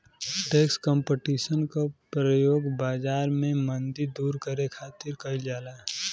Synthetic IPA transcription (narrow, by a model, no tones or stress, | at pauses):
ʈeːkskə̃mpeʈisənkapɾəjoːɡbaːd͡ʒaːɾmẽmənd̪iɾd̪uːɾkəɾekʰaːt̪ɪɾkəɪld͡ʒaːlaː